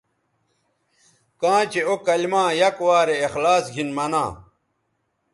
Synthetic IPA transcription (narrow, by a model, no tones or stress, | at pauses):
kãːt͡ɕeokɐlmãːjɐkwaːɾeːxlaːsɡʱinmɐnã̰ː